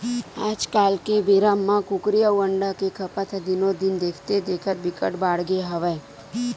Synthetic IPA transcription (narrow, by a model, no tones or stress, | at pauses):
ad͡ʒkalkebiɾamːãkukɾijəʋəɳɖakekʰəpat̪ʰəd̪inod̪ind̪ekʰt̪ed̪ekʰət̪bikə̰ʈbaɽɡeɦəʋaj